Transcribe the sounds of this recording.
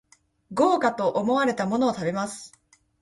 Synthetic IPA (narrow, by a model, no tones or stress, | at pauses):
ɡo̞ːkat̪o̞ʔːmo̞βaɾe̞t̪amo̞no̞ːt̪abe̞masɨ̥